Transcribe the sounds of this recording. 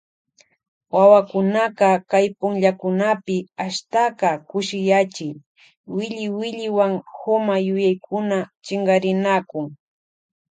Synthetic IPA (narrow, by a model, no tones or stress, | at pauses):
wawakʊnaqɑkajpʊŋʎakʊnapɪaʃt̪aqɑkʊʃɪjat͡ʃɪj | wɪʎɪwɪʎɪwaŋhomajʊjajkʰʊnat͡ʃɪɴɢɑɾɪnakʊŋ